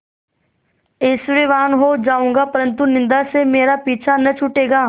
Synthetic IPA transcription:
ɪsʋeːʋaːnɦoːd͡ʒaːũːŋɡapɐɾə̃nt̪unɪ̃nd̪asemeːɾapiːt͡ʃʰanɐt͡ʃʰʊʈeːɡaː

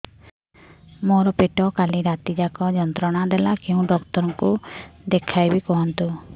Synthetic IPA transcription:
moɾɔpeʈɔkaliɾat̪id͡ʒakɔd͡ʒɔnt̪ɾɔɽ̃ad̪elakeũɖɔkt̪ɔɾɔŋkud̪ekʰajbikɔɦɔnt̪u

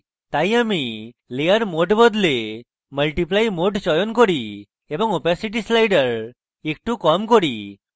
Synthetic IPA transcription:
t̪ajami | lejəɾmoʈbɔd̪le | məlʈiplajmoʈsɔjɔnkɔɾi | ebɔŋopasiʈ̬islajɖəɾ | ek̚ʈukɔmkɔɾi

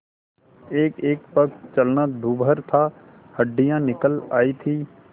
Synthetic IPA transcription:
eːkeːkpəkt͡ʃəlnad̪ʱuːbʱəɾt̪ʰa | həɖːɪjãnɪkəlaːit̪ʰiː

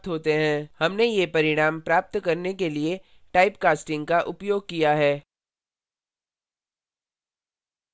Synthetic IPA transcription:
t̪ɦoːt̪eɦɛ̃hɐmnejepɐɾɪɽ̃aːmpɾaːp̚t̪kɐɾnekelie | ʈaːɪpkaːsʈɪ̃ŋɡkaʔʊpjoːɡ̚kijaɦɛː

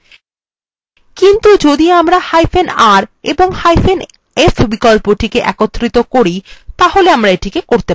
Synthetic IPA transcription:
kint̪ud͡ʑod̪iamɾahajfʰenaɾeboŋhajfen | efbikolpoʈikeʔɛ̰kot̪ːɾit̪okoɾit̪aɦoleamɾaeʈikekoɾt̪e

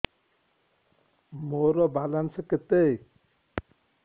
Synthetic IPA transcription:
moɾɔbalanseket̪ej

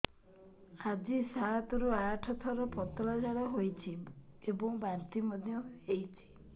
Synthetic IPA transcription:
ad͡ʒisat̪ɔɾuaʈʰɔt̪ʰɔɾɔpɔt̪ɔɾɔd͡ʒaɽɔɦojt͡ʃʰiebɔŋbant̪imɔd̪ʱjɔejt͡ʃʰi̥

